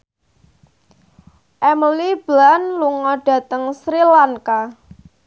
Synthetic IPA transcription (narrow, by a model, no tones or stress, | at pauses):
ʔɛməlib̥lanluŋɔɖ̥ä̤t̪əŋsɾilaŋka